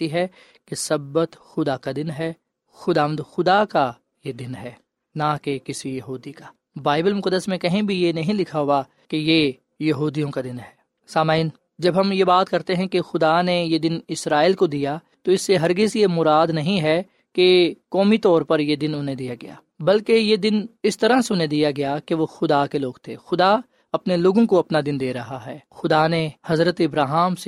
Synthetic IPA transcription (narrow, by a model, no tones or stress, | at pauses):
t̪iɦɛ | kesɐbːət̪xʊd̪akad̪ɪnɦɛː | xʊd̪aːʋə̃nd̪xʊd̪aka | jed̪ɪnɦɛː | nakekɪsijɐɦuːd̪ikaː | baːɪbəlmʊkəd̪ːəsmẽkɐɦĩbʱijenɐɦĩlɪkʰaɦʊa | keje | jɐɦuːd̪ijõkad̪ɪnɦɛː | saːmaːɪn | d͡ʒɐbɦɐmjebaːt̪kɐɾt̪eɦɛ̃kexʊd̪anejed̪ɪnɪsɾaːilkod̪ija | t̪oɪsːeɦɐɾɡɪzjemʊɾaːd̪nɐɦĩɦɛ | kekɔːmit̪ɔːɾpɐɾjed̪ɪnʊnɦẽd̪ijaɡɐja̰ː | bɐlkejed̪ɪnɪst̪ɐɾãseʊnɦẽd̪ijaɡɐjakeʋoxʊd̪akeloːɡt̪ʰḛːxʊd̪a | ɐpneloːɡõkoɐpnad̪ɪnd̪eːɾɐɦaɦɛːxʊd̪anehɐzɾət̪ɪbɾaːɦaːmse